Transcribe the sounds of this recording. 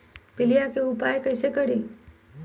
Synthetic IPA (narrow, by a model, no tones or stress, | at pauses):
pɪlijakeʊpaːekɐɪsekɐɽiː